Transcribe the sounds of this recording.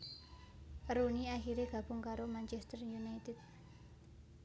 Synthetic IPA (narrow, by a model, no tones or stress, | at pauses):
runiaxiɾeɡ̥a̤b̥ʊ̤ŋkaɾomant͡ʃɛst̪ərjunajt̪ɪd̪̚